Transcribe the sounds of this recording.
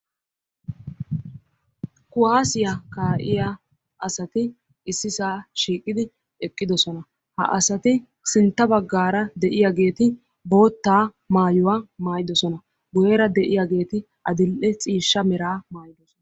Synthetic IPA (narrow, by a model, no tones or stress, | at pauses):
kʊwaːsɪjakaːʔɪja | ʔɐsɐt̪ɪ | ɪsːɪsaːʃiːkʼːɪd̪ɪ | ɛkʼːɪd̪ɔsɔnɐ | hɐ̰ʔɐsɐt̪ɪ | sɪnt̪ːɐbɐɡːaːɾɐd̪ɛʔɪjaɡe̞ːt̪ɪ | bo̞ːt̪ːaː | maːjʊwaːmaːjɪd̪ɔsɔnɐ | ɡʊjeːɾɐd̪ɛʔɪjaɡe̞ːt̪ɪ | ʔɐd̪ɪlʔɛt͡sʼiːʃːɐmɛɾaːmaːjɪd̪ɔsɔn